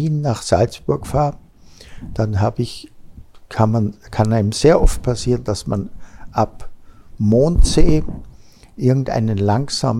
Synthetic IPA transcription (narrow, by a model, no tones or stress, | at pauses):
iːnːaːχz̥alsb̥ʊɐkfaːɐ | d̥anɦaːbəɪç | kʰanmankʰanaɪnəmz̥eːɐʔɔft̚pʰasiːʁənd̥asmanʔapmoːntz̥eː | ʔɪɐɡŋ̩tʔa̰ɪnənlaŋsa̰ːm